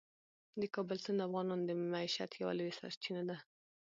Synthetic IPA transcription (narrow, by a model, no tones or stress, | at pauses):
d̪əkɑbəlsənd̪afɣɑnɑnd̪əmaiʃat̪jawa̰lawesa̰ɾt͡ʃinad̪a